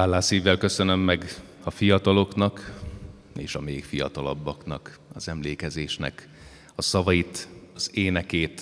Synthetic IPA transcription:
aːlːaːsiːvːɛlkø̞sø̞nø̞mːɛɡɒfijɒt̪ɒlo̞knɒk | eːʃɒmeːkfijɒ̰t̪ɒlɒ̰bːɒknɒkɒzɛmleːkɛzeːʃnɛ̰k | ɒsɒvɒjit̪ɒz̥eːnɛkeːt̪

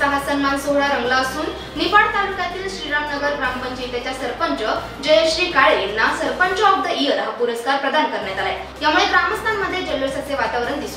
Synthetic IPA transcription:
təɦasənːasoɦɭaɾəŋɡlaəsuːnː | ifaɽt̪alukat̪iːlɕɾiɾamnəɡəɾɡɾampəɲd͡ʑiːt̪jat͡ɕjasəɾpəɲt͡ɕə | d͡ʑəjeɕɾiːkaɭenːasəɾpəɲt͡ɕəɔb̚d̪ʱəiəɾɦapuɾəskaɾpɾəd̪ankəɾɳjat̪alaj | jamuɭeɡɾaməst̪ʰanməd̪ʱːjed͡ʑelʋəɭsək̪̚ʰeʋat̪aʋɾəɳd̪isu

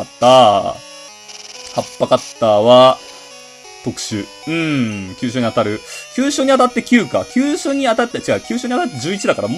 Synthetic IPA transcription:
t̪ːa | hapːakat̪ːaβa | t̪o̞kɯ̟̥ɕɨ | ɯ̟̃kʲɨːɕ̬oːɲiat̪aɾɯ̟kʲɨːɕoːɲ̟iat̪at̪ːe̞kʲɨːka̰kʲɨːɕoːɲ̟iat̪at̪ːet͡ɕikakʲɨːɕoːɲiat̪at̪ːed͡ʑɨːit͡ɕid̪akaɾam

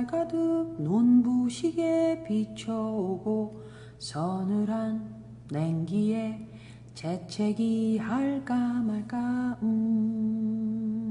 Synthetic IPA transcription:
ɭkadɯnonbuɕʰiɡepit͡ɕʰʌoɡo | sʌnɯɾanː | eŋɡie̞ | t͡ɕet͡ɕʰeɡihaɭk͈amaɭk͈aɯ

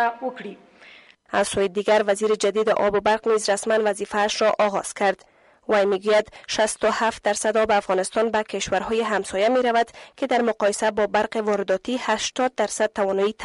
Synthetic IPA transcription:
wʊkɽi | azsojɪd̪iɡaɾvaziɾɪd͡ʒad̪id̪ɪʔɒ̰bʊbaɾqnizɾasmanvazifaːʃɾɔʔɒɣɒz̥kʰaɾd̪ | wajmeɡujad̪ʃast̪ʊhaft̪̚d̪aɾsad̪ɒbeafɣɒnɪst̪ɒnbakeʃwaɾhɔjɪɦamsɔjameɾavad̪kʰɪd̪aɾmʊqɒjɪsabɔbaɾqevɒɾɪd̪ɒt̪ihaʃt̪ɒd̪̚ːaɾsad̪̚t̪avɔnɔit̪ʰ

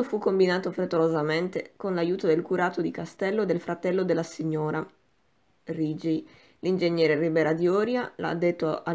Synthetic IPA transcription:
ofukːombinaːt̪ofɾet̪ːolozament̪ekonlajuːt̪od̪elkuɾaːt̪od̪ikast̪ɛlːod̪elfɾat̪ɛlːod̪elːasiɲːoːɾa | rid͡ʒ | lind͡ʒeɲːɛːɾeribɛːɾad̪iɔːɾjala̰d̪ːet̪ːoa

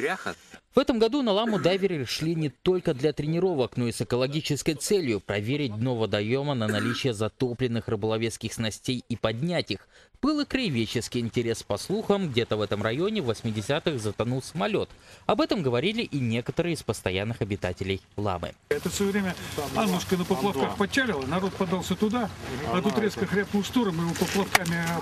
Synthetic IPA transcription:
ɾʲaxəv̥ɛt̪əmɡɐd̪unɐlˠamʊd̪avʲɪɾʲɪʂlʲinʲɪt̪o̞lʲkəd̪lʲat̪ɾʲɪnʲɪɾo̞vəkno̞isɨkəlˠɐɡʲit͡ɕɪskəjt̪sɛlʲjʊpɾɐvʲeɾʲɪt̚ʲno̞vəd̪ɐjo̞mənənɐlʲit͡ɕɪjəzɐt̪o̞plʲɪnːɨxrɨbəlˠɐvʲet̪skʲɪxsnɐsʲtʲejipɐdʲnʲætʲixb̥ɨlˠɨkɾəɪvʲet͡ɕːɪskʲɪjɪnʲtʲɪɾʲe̞spɐslˠuxəmɡdʲe̞t̪əvɛt̪əmrɐjo̞nʲɪvəsʲmʲɪdʲɪsʲat̪ɨxzət̪ɐnulˠsəmɐlʲo̞t̪ɐbɛt̪əmɡəvɐɾʲilʲɪʔinʲekət̪əɾɨɪspəst̪ɐjanːɨxɐbʲɪt̪atʲɪlʲɪjlˠa̰mɨ̰ɛt̪əfsʋəjvɾʲemʲəanlɨʂkənəpəlˠɐfkaxpɐt͡ɕːalʲɪlˠənɐɾo̞t̪̚pɐd̪alˠsʲət̪ʊd̪aɐt̪ut̪ɾʲeskəxɾʲap̚kʊlst̪uɾɨmɨɪlopəplˠɐfkamʲɪ

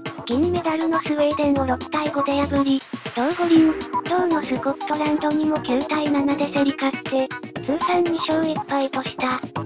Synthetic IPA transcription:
ɡ̥ʲĩmːe̞d̪aɾɯ̟no̞sɨβe̞ːd̪ẽ̞noɾo̞kt̪aiɡo̞d̪e̞jabɯ̟ɾʲid̪̥oɯɡoɾʲĩt͡ɕoɯno̞sɨko̥t̪ːo̞ɾãnd̪o̞ɲ̟imo̞kʲɨːt̪ainanad̪e̞seɾʲikaɕi̥t̪e̞kɨːsãɲ̟ːiɕo̞ːɡekpait̪o̞ɕi̥t̪a

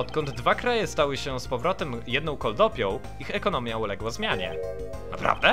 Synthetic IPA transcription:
ɔt̪kɔnd̪d̪vakɾajɛst̪awɘɕɛspɔvɾɔt̪ɛmjɛd̪nɔ̃w̃kɔld̪ɔpʲjɔ̃w̃ | ixɛkɔnɔmʲjaulɛɡwɔzmʲjaɲɛ̰ | na̰pɾa̰vd̪ɛ

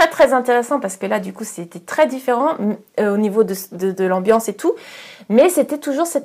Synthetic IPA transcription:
ɛt̪χɛzɛ̃t̪eʁesɑ̃paʁsə̥kəlad̪ykusɛt̪ɛt̪χɛd̪ifeʁɑ̃øonivod̪əd̪əd̪əlɑ̃bjɑ̃set̪umɛset̪ɛt̪uʒuʁsɛt̪

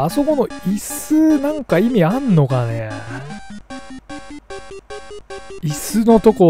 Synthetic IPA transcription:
aso̞ko̞no̞isɨnãŋkaimʲianːo̞kane | isɨno̞t̪o̞ko

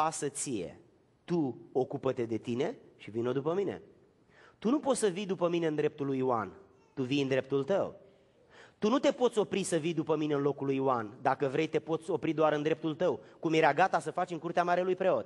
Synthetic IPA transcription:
asət̪sije̞̰ | t̪uo̞kupət̪e̞d̪e̞t̪ine̞ʃivino̞d̪upəmine̞̰ | t̪unupo̞t̪ssəvijd̪upəmine̞ɨnd̪ɾe̞p̚t̪ulːujua̰n | t̪uvijɨnd̪ɾe̞p̚t̪ult̪əw | t̪unut̪e̞po̞t̪sʲo̞pɾisəvijd̪upəmine̞ɨnlo̞kulujuand̪akəvɾe̞jt̪e̞po̞t̪sʲo̞pɾid̪oaɾɨnd̪ɾe̞p̚t̪ult̪əwkumjeɾʲaɡat̪asəfat͡ʃɨŋkurt̪eamaɾelujpɾeo̞t̪

